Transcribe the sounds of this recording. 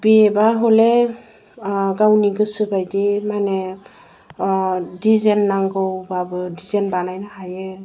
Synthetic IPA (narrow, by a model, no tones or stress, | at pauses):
biɛbaɦolɛ | ɡawniɡɯsɯbajdimanɛ | dizɛnːaŋɡɯwbabɯdizenbanajnahajɯ